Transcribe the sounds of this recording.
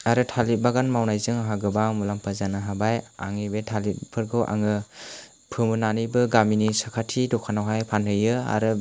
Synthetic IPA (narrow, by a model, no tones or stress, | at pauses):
aɾɯtʰalit̚baɡanmawnajzɯŋaɦaɡɯbaŋmulampʰazanaɦabaja̰ŋɯbetʰalit̚pʰɯɾɡɯwʔa̰ŋɯ | pʰɯmɯnanibɯɡaminisakʰatʰidɔkʰanawɦajpʰanhɯjɯa̰ɾɯ